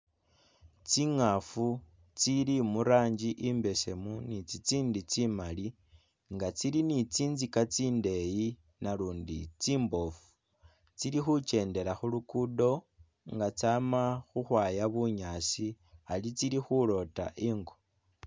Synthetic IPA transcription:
t͡siŋafu | t͡silimuɾaːɲd͡ʒiʔimbe̞se̞munit͡sit͡siːndit͡simali | ŋɡat͡silinit͡siːnzikat͡siːnde̞ji | naluːndit͡siːmbo̞fu̥ | t͡silixut͡ʃe̞ːnde̞laxulukudo̞ | ŋɡat͡saːmaxuxwaːjaβuɲaːsi | alit͡silixulo̞ta̰ʔiːŋɡo

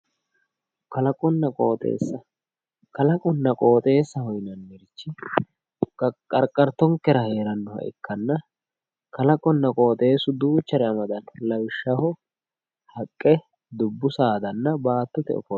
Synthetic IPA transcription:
kɐlɐkʼɔnːɐkʼoːt̪ʼḛːsːɐ | kɐlɐkʼɔnːɐkʼo̞ːt̪ʼe̞ːsːɐhɔjnɐnːɛɾɪt͡ʃːɪ | kʼɐɾkʼɐɾt̪ːɔŋkːɛɾɐhe̞ːɾɐnːʊhɐ̰ʔɪ̰kʰːɐnːɐ | kɐlɐkʼɔnːɐkʼo̞ːt̪ʼe̞ːsʊd̪uːt͡ʃːɐɾɛɐmɐd̪ɐnlɐwɪʃːɐhɔ | hɐkʼːɛ | d̪ʊbːʊsaːd̪ɐnːɐbaːt̪ːʊt̪ɛ̰ɔ̰fɔ

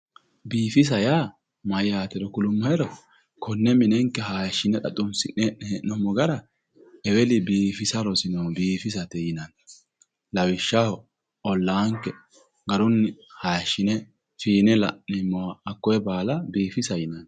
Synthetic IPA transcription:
biːfɪs̬ɐjaː | mɐjaːt̪ɛɾɔkʊlʊmːɐɛɾɔ | kʰɔnːɛmɪnɛŋkːɛɦajʃːɪnɛɗɐ̰t̪ʼːʊnsɪʔɛʔɛɛnɔmɔɡɐɾɐ | ɛwɛlɪbiːfɪsɐɾɔsɪnɐwbiːfɪs̬ɐt̪ɛjɪnɐn | lɐwɪʃːaw | ʔɔlːaːŋkːɛ | ɡɐɾʊnːɪhajɐʃːɪnɛ | fiːnɛlɐ̰ʔnɛmɔːkːɔjɛbaːlɐbiːfɪsɐjɪnɐn

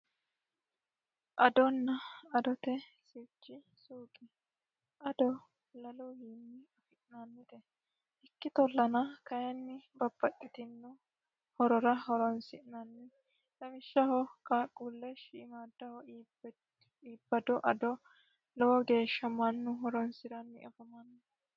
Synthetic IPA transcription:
ʔɐd̪ɔnːɐɐd̪ɔt̪ɛsɪt͡ʃːɪ | suːkʼɪ | ʔɐd̪ɔ | lɐluhinːɪɐfɪʔnanːɪt̪ɛ | ɪkːɪt̪ɔlːɐnɐkɐjɛnːɪbɐb̥ːɐkʼːɪt̪ɪnːʊ | hɔɾɔɾɐhɔɾɔnsɪnɐnːɪ | t̪ɐmɪʃːɐhɔkʼaːkʼːulːɛʃiːmaːd̪ːɐhɔ | iːbːɐd̪ɔʔɐd̪ɔ | lɔwɔɡe̞ːʃːɐmɐnːʊɦɔɾɔnsɪɾɐnːɪɐfɐmɐnː

